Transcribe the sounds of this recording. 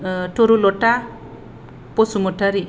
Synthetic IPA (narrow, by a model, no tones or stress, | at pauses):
ʈoɾuloʈa | posumɔʈaɾi